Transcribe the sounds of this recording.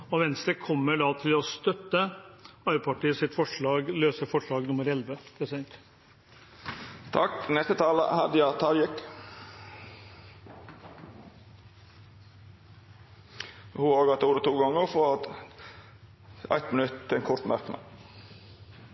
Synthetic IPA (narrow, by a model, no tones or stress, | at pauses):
ɔʋɛnst̪əkʰɔmːəɖɑt̪ʰɪlɔst̪œt̪ːəɑʏpʰɑʈiːəsɪt̪fɔʂɭɑːɡløːsəɾfɔʂɭɑːɡnʊmːəɾɛlʋəpʰɾɛsɪd̪ɛnt̪ | t̪ʰɑknɛst̪ət̪ʰɑːlə̰hæd̪ɪjɑt̪ʰɑɾjɛk | hʉoːɡɑt̪əuːɾət̪ʰuːɡɔŋːəɾfɾɔ | æ̰ɪt̪mɪnʉt̪ʰːɪɛnkʰɔɾt̪mæɾknɑ̰